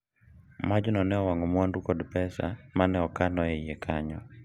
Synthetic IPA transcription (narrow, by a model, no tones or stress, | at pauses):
mad͡ʒɔnɔnɛɔwaŋɔmwanɾukɔdpɛsa̰manɛɔkanɔejekʰaɲɔ